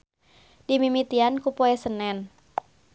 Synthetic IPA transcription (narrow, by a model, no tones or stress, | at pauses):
dimimit̪iankupɔɛsənɛn